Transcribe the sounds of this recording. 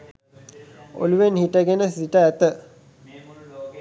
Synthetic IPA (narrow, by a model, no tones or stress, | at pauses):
o̰luʋenhiʈəɡenəsiʈəæt̪ə